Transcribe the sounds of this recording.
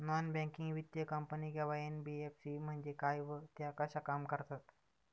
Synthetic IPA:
nɔnbɛ̃kiŋɡʋid̪jəkəmpəniɡʱɛʋajenbiefsim̤əɳd͡ʑekajʋət̪jakəɕakamkəɾt̪at̪

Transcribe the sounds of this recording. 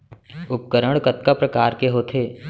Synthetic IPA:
ʊp̚kəɾəɽ̃kət̪kapɾəkaːɾkeɦoːt̪ʰeː

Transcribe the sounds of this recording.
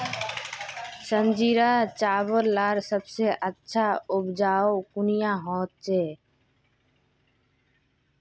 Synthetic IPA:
sənd͡ʒiːɾaːt͡ʃaːbəlːaːɾsəbseʔətːʃʰaʊbd͡ʒaːokʊnijãːɦɔ̃ːt̪̚t͡ʃeː

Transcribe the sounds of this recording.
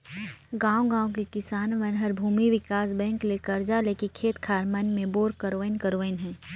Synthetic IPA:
ɡãːõɡãːõkekɪsaːnʋɐnɦəɾbʱuːmiʋɪkaːsbɛ̃ːŋklekɐɾd͡ʒaːleːkikʰeːt̪kʰaːɾmɐnmẽboːɾkəɾoʋənkəɾoʋənɦɛ̃ː

